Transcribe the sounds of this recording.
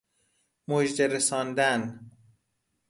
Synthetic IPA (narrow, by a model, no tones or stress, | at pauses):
mod͡ʒd̪eɾesɒːnd̪æn